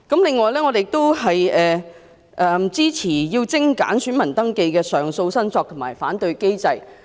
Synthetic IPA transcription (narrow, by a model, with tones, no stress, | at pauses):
kɐ˨˥mlɪ˨ŋːɔː˨jlɛː˥ŋɔː˨˧te˨jɪ˨k̚t̪o˥wɦɐ˨jɛː˨˩ | ʔɛ˨˩mt͡siː˥t͡sʰiː˨˩jiː˧wt͡sɪ˥ŋka̰ː˨˥nsyː˨˥nmɐ˨˩nt̪ɐ˥ŋke˧jkɛː˧sœː˨ŋso˧wsɐ˥nt͡sɔː˧k̚t̪ʰʊ˨˩maː˨˩jfaː˨˥nt̪ɵ˧ɥke˥jt͡sɐ˧j